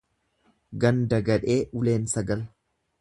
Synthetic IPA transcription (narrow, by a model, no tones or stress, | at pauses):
ɡɐnd̪ɐɡɐᶑe̞ːʔʊle̞ːnsɐɡɐl